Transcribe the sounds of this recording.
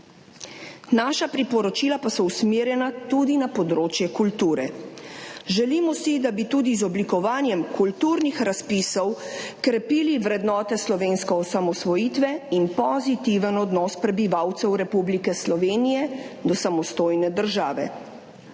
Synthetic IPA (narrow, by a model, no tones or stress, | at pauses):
naːʃapɾipɔɾɔt͡ʃiːlapasɔusmeːɾjɛnat̪ud̪inapɔd̪ɾoːt͡ʃjɛkult̪uːɾɛ | ʒɛliːmɔsid̪abit̪uːd̪izɔblikɔʋaːnjɛmkult̪uɾnixɾaspisɔwkɾɛpiːliʋɾɛd̪nɔːt̪ɛslɔʋenskɔɔsamɔsʋɔjiːt̪ʋɛinpɔzit̪iʋənɔd̪nɔːspɾɛbiʋawt̪sɛwɾɛpublikɛslɔʋeːnijɛd̪ɔsamɔst̪oːjnɛd̪əɾʒaːʋɛ̰